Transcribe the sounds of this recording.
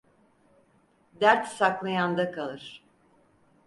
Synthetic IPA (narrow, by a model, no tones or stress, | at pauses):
d̪æɾt̪saklˠajand̪akʰalˠɯɾ̥